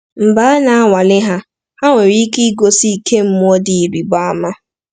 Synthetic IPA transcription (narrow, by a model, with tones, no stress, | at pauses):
m̩˨ba˨˦na˨a˦ŋʷa˨lɪ˦ɦa˦ | ha˦ŋʷe˨ɾi˦ki˦ɡo˦si˦˨kʰe˦m̩˦mʊ˦ɔ˦dɪ˨i˨ɾi˨ɡ͡ba˦a˦ma˦